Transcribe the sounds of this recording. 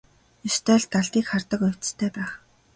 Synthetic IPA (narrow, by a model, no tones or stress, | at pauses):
ɵst̪ʰæːɮt̪ːaɮt̪iːkχart̪ə̆kɵw̥ʲt͡s̆t̪ʰæːpæːχ